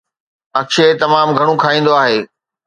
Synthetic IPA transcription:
ɐkʃet̪ɐmaːmɡʱɐɽ̃ũkʰaːĩːn̆d̪oaːɦeː

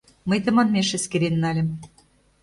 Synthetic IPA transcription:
məjt̪ɤ̆mɑnmʲeʃeskeɾenːɑlʲĕm

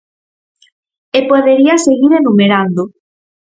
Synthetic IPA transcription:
epoðeɾiaseɣiɾenumeɾand̪o

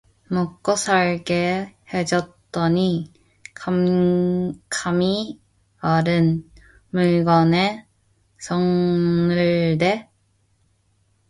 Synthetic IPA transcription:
mok͈ʌsʰaɭɡehed͡ʑʌt̚t͈ʌɲi | kʰam | kʰami | aɾɯn | muɭɡʌne | sʌŋnɯɭde

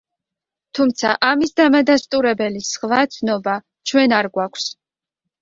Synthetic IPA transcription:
t̪ʰumt̪sʰaʔamisd̪amad̪ast̪ʼuɾɛbɛlisχvat̪sʰnɔba | t͡ʃʰwɛnaɾɡwakʷʰs

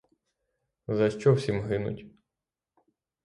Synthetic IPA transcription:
zɐʃt͡ʃɔwsʲimɦɪnʊ̰tʲ

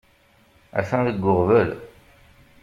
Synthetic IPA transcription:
æ̰θæ̃ðəɡʷːʊʁvəl

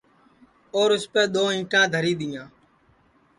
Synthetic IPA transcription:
oːɾʊspeːɗ̪oːɦɪ̃ːʈãːd̪ʱəɾiːɗ̪ɪjãː

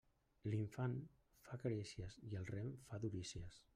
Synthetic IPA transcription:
liɱfan | fakəɾisiəziəlˠrɛmfaðuɾisiəs

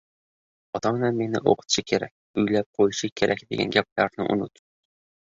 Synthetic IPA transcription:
ɒt̪ʰɒmɪnænme̞nɪ̰ʔo̰qʰə̥t̪ʃɪkʲʰeɾæ̰kʲʊjlæp̚qʰojʃɪkʲʰeɾʔækʲd̪ḛɡʲæ̰nɡʲæp̚læɾnɪʔʊ̰nʊt̪

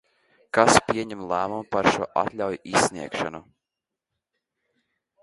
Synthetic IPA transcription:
kaspʲiɛɲɛmlˠæːmumpaɾʃuɔʔa̰t̪lʲawjisːʲniɛkʃanu

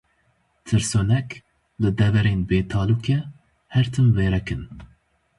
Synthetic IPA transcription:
t̪ʰɨɾsoːnɛk | lɨd̪ɛvɛɾeːnbeːt̪ʰɑːluːkʰɛ | hɛɾt̪ʰɨmveːɾɛkɨn

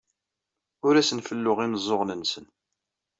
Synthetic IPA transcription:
ʊɾæsənfəlːʊʁiməzˤːoʁnənsən

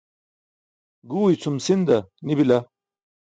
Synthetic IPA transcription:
ɡuːit͡sʰumsind̪ɐnibila

